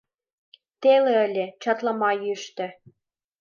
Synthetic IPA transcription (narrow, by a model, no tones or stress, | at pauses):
t̪eleə̆lʲĕt͡ɕɑt̪lˠɑmɑjyʃt̪ɘ̆